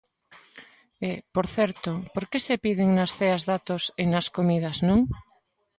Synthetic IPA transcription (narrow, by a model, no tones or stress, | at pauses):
epoɾθɛɾt̪opoɾkesepið̞eŋnasθeazðat̪osenaskomið̞aznõŋ